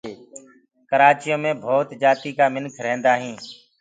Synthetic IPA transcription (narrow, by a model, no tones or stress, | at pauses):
kəɾaːt͡ʃɪjõːmẽːbʱoːt̪d͡ʒaːt̪iːkaːmɪnkʰɾɛ̃ːnd̪aːɦĩː